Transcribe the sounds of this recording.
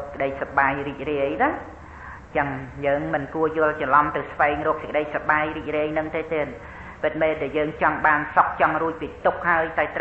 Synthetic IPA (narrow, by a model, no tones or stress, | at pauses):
kəɗəjsaɓaːjriːk̚riəjɗa | t͡ɕəŋjəːŋmɨnkuəjʊ̆əlt͡ɕɑlɑmt̪ɨwsʋaɛŋrɔːk̚sə̆kəɗəjsaɓaːjriːc̚riəjnɨŋt̪eːt̪eən | pɨt̪̚meːlɗaɛljəːŋt͡ɕɑŋɓaːnsok̚t͡ɕɑŋruəc̚piːt̪uk̚haəjt̪aɛt̪